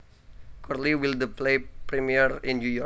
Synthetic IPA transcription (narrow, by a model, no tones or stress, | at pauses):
kʰɔrliwild̪əplepɾimiəɾĩnnjujɔ